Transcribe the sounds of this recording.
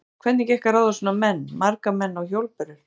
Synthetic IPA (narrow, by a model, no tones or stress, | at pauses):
kʰvɛt̪nɛcɛhkaɾawðasɔːnamɛnːmaɾkamɛnːawçowlpɛɾɪɾ̥